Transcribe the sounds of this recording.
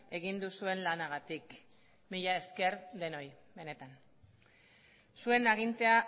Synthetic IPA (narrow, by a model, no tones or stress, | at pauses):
e̞ɣind̪usue̞nlanaɣ̞at̪ik | miʎae̞ske̞ɾðe̞no̞j | be̞ne̞t̪an | sue̞naɣ̞int̪e̞a